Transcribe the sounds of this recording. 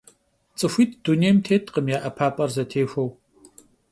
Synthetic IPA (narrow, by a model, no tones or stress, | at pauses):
t͡sʼɨxʷiːt̚ʰd̥uneːmtʰeːtʰʼqəmjaːʔɐpʰaːpʼɐrzɐtʰeːxʷɐw